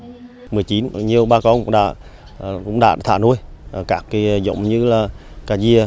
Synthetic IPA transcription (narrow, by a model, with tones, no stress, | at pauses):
mɨ˨˩əjt͡ɕi˨˦nɲi˨˩əwɓaː˧kɔ˧nkŋ͡mɗa̰ː˧˩ | kʊ̰˧˥ŋ͡mɗa̰ː˧˨˩t̪ʰa̰ː˧˩nu˧əjkaː˦˥kːi˨˦˨zo̰˧˨wŋ͡mɲɨ˧laː˨˩kaː˧˩zi˧ə